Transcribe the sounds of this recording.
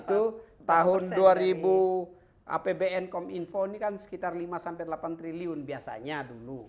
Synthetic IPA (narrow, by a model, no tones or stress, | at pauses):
t̪ut̪aɦʊnduaɾibu | ʔa̰pebɛɛnkɔminfonikansə̥kit̪arlimasampɛlapant̪ɾiliʊnbiasa̰ɲadulu